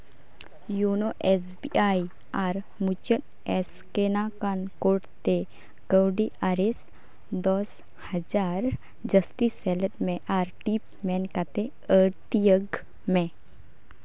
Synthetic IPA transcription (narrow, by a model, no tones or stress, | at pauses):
junoʔɛs̬biʔai | aɾ | mut͡ʃən | ɛs | kenakankoʈt̪e | kəwɖiʔaɾes | d̪ɔs | həd͡ʒaɾ | d͡ʒəst̪isɛləʈmẽʔaːɾʈip̚ | mɛnkat̪e | əɾt̪ijəɡ | mẽ